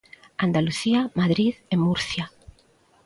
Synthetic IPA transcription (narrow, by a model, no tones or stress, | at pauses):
and̪aluθiamaðɾiðemːuɾθja